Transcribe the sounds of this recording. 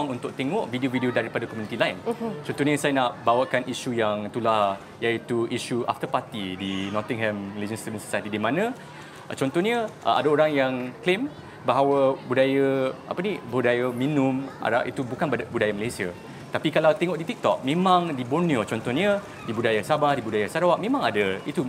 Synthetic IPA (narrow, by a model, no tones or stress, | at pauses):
ŋunt̪ʊk̚t̪eŋɔʔvidiovidiodaɾipadakomjunit̪ilaint͡ʃɔnt̪ɔhɲəsajanaʔbawakanʔiʃujaŋt̪ulah | jait̪uʔiʃuʔa̰ft̪əpat̪idinɔt̪ĩŋɦɛmiled͡ʒənst̪uvənso̥sajt̪idimãnə̃ | t͡ʃɔnt̪ɔhɲəʔə̰a̰daoɾaŋjaŋklem | baɦawəbudajaa̰pənibudajaminʊ̃mʔa̰ɾa̰ʔit̪ubukanbbudajaməlajsia | t̪apikalawt̪ɛŋɔʔdit̪ik̚t̪ɔ̰k̚mẽmãŋdiboniot͡ʃɔnt̪ɔhɲə | dibudajasabahdibudajasaɾawaʔmẽmãŋadait̪u